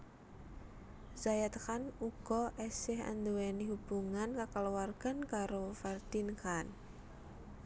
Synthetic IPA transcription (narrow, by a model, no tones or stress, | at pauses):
z̥ajat̪kanuɡ̥ɔʔɛsɪha̰nd̪uweniɦub̥uŋankakaluwarɡ̥ankaɾofɛrd̪inkan